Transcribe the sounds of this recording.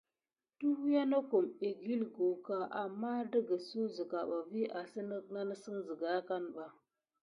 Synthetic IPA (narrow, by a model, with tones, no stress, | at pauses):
tu˦hu˦ja˦na˦ku˨mi˨ɡi˦lɡo˨ka˦ʔa˨mːa˦də˦ɡə˨su˦zi˨ka˨ɓa˨vi˦ʔa˨si˦nə˦na˦nə˦si˦nzə˨ɡa˦ka˦nɓa˨